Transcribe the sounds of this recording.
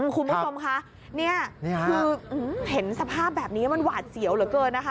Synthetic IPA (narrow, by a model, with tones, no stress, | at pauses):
ʔɯː˧˩kʰu˧nbt͡ɕʰo˧mkʰa˦˥ʔ | ni˥˩ɐɯː˧ʔɯː˧˩he˩˦nsa˧pʰaː˥˩p̚bɛː˨˩p̚niː˦˥ma˧nwaː˨˩t̪̚si˨˩˦wlɯː˩˦kɤː˧nnːa˦˥kʰa˦